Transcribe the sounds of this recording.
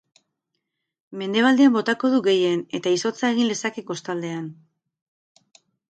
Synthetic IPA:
me̞nd̪e̞β̞ald̪e̞ambo̞t̪ako̞ð̞uɣe̞je̞ne̞t̪aiso̞t͡saeɣ̞ind̪e̞sakeko̞st̪ald̪e̞an

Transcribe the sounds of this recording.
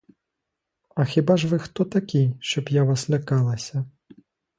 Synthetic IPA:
ɐxʲibaʐʋɪxt̪ɔt̪ɐkʲijʃt͡ʃɔbjaʋaslʲɐkɑlˠɐsʲɐ

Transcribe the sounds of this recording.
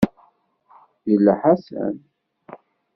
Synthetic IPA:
jəlːæħasæ̰n

